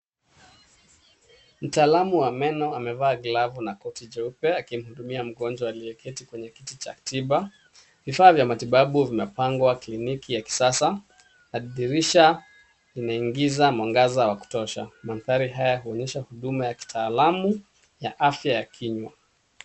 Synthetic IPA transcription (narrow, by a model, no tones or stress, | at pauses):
m̩taːlamuwamɛnɔamɛvaːɡlavunakɔtid͡ʒɛupɛakim̩huɗumiam̩ɡɔnd͡ʒwaaliɛkʰɛtikwɛɲɛkitit͡ʃa̰tiɓa | vifaːvjamatiɓaɓuvimɛpaŋɡwaklinikʰijaki̥sasa | naðiɾiʃa | linaiŋɡizamaŋɡazawaku̥tɔʃa̰manθaɾiɦajaahuɔɲɛʃahuɗumajaki̥tʰaːlamu | jaʔafjajakʰiɲwa